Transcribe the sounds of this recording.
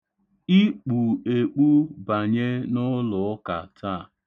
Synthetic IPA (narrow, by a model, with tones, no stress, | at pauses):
i˦k͡pu˨e˨k͡pu˦ba˨ɲe˦nʊ˦lʊ˨˦ka̰˨tʰa˦˨